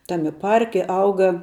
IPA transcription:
ˈtɑːmʲɪ ˈpɐrʲkʲɪ ˈɐʊɡɐ

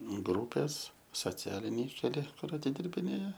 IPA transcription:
ˈɡruːpʲeːs soːˈt͡sʲæːlʲɪnʲɛɪ kʲɛˈlʲɪ ˈkʊr ɐtʲɪdʲɪrʲbʲɪˈnʲeːjɛ

